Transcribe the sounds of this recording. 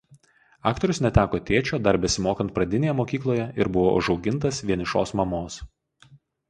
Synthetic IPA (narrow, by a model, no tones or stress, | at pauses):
ɑ̰ːkt̪ɔɾʲʊsnʲɛt̪ʲæːkoːt̪ʲeːt͡ʃʲoːd̪ɐɾbʲɛsʲɪmoːkɐnt̪̚pɾɐd̪ʲɪnʲeːjɛmoːkʲiːklˠoːjɛɪɾbʊʋoːʔʊ̰ʒɒʊɡʲɪnˑt̪ɐsʋʲiɛnʲɪʃo̰ːsmɐmoːs